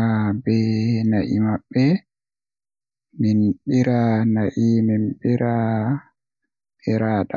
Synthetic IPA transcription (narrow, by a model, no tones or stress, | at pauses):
abɛnaʔimaɓːɛ | minɓiɾanaʔiminɓiɾa | ɓiɾaːɗa